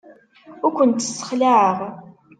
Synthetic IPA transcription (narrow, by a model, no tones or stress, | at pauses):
ʊɾkʷənt̪ːəsːə̥χlaʕəʁ